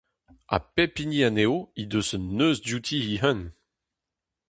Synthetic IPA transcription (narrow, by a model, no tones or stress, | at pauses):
a̰pepinianeoid̪øzənːøzdjut̪ʰiiɦœn